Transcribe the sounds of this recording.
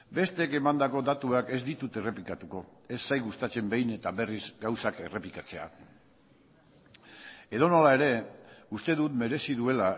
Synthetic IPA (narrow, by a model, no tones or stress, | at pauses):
be̞st̪eke̞mand̪ako̞d̪at̪uake̞zd̪it̪ut̪e̞re̞plikat̪uko̞e̞sːajɣust̪at͡se̞mbe̞jne̞t̪aβe̞rizɡawsake̞re̞plikat͡se̞a̰ | e̞ð̞o̞no̞lae̞ɾe̞ust̪e̞ð̞ut̪me̞ɾe̞siðue̞la